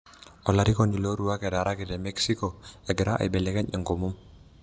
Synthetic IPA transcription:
ɔlaɾikoniloɾuakɛdaɾʔakɛdɛmɛksikoɛɡeɾaʔa̰jbɛlɛkɛɲɛŋɡomum

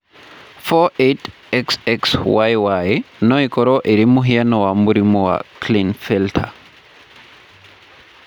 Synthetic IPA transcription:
fɔet | ɛksɛkswajwajnɔikɔɾɔʔeɾimuɦianɔwamuɾimɔwa̰klinfɛltʰa̰

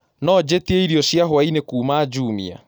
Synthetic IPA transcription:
nɔd͡ʑetieiɾiɔɕjaɦwainekuːmaːd͡ʒuːmḭa̰

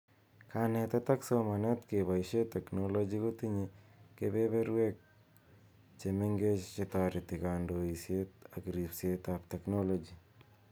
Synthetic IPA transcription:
kanɛt̪at̪aksomanɛt̪keβajʃet̪ɛknolod͡ʒikot̪iɲikebebeɾwek̚ | t͡ʃemeŋɡet͡ʃt͡ʃet̪aɾɪt̪ikandoisjet̪̚akɾipset̪ap̚t̪ɛknolod͡ʒi

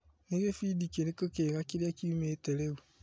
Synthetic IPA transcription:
neɣefidikenekokeɣakiɾakiumeːteɾewu

